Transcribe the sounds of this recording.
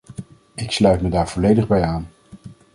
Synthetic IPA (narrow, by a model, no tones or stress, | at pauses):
ɪkslœɥtmədaːɹv̥ɔlejdəχbɛjaːn